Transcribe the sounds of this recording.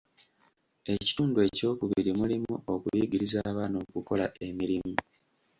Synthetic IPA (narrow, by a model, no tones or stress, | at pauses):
e̞ci̥tuːndue̞ːco̞ːkuβiɾimulimuo̞kuβiːɟiɾizaːβano̞ːkuko̞laʔe̞miɾimu